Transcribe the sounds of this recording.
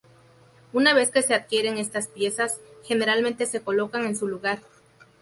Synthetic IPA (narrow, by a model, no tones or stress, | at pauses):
unaβe̞ske̞se̞aðkje̞ɾe̞ŋe̞st̪aspje̞sasxe̞ne̞ɾalmẽnt̪e̞se̞ko̞lo̞kaŋe̞nsuluɣaɾ